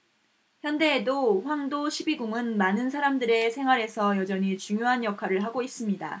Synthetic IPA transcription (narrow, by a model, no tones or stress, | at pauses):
çjʌnde̞ːdoɸwaŋdoɕʰibiɡuŋɯnmanɯnsʰaɾamdɯɾe̞sʰe̞ŋɦwaɾe̞sʰʌjʌd͡ʑʌɲit͡ɕuŋjoɦanjʌkʰwaɾɯɭɦaɡois͈ɯmɲida̰